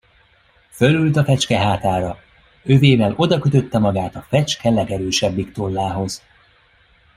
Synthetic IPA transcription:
fø̞lylt̪ɒfɛt͡ʃkɛɦaːt̪aːɾɒ | ø̞veːvɛlo̞d̪ɒkøt̪ø̞t̪ːɛmɒɡaːt̪ɒfɛt͡ʃkɛlɛɡɛɾøːʃɛbːikt̪o̞lːaːɦo̞z

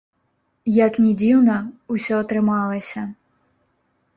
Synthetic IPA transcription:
jɐknʲɛd͡zʲiwnɐusʲɔːt̪ɾɪmɑlˠɐsʲɐ

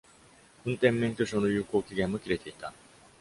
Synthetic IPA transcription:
ɯ̟̃nt̪ẽ̞mːẽŋkʲoɕoːno̞jɯ̟ːko̞ːkʲiɡẽ̞mːokʲiɾe̞t̪e̞it̪a

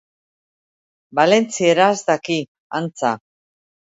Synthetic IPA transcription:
bale̞nt͡sieɾazd̪aki | ant͡sa

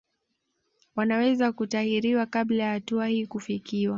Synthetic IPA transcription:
wanawɛzakutahiɾiwakablajahatuahiːkufikiwa

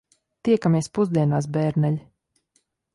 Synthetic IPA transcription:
t̪iɛkamʲiɛspuzd̪iɛnaːs̬bɛːɾnɛlʲi

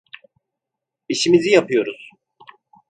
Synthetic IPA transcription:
iʃimizijapʰɯjo̞ɾuz̥

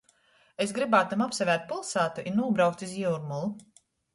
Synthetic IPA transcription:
esɡɾibaːt̪amapsavʲæːɾt̪̚pulˠsaːt̪uʔinːuɔbɾawkt̪iziwuɾmulˠu

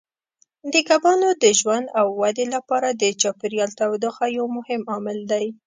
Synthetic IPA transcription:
d̪əkabɑnod̪əʒwand̪awːad̪elapɑɾad̪ət͡ʃɑpɪɾjɑlt̪awd̪oxajawmʊhɪmɑmɪld̪aj

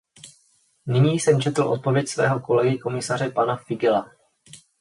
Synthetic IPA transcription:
nɪɲiːsɛmt͡ʃɛt̪l̩ʔo̞̰t̪̚po̞vjɛcsvɛ̰ːɦo̞ko̞lɛɡɪko̞mɪsar̝ɛpanafɪɡɪla

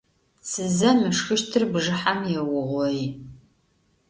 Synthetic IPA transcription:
t͡sʰɨzɐmɨʂxɨʃtʰɨrbʒɨħamjɛwʊʁʷɔi

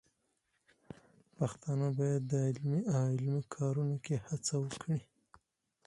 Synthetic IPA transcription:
paxt̪ɑnəbɑjad̪ːəɪlmiawɪlmikʰɑɾunokehat͡sawəkʰɽi

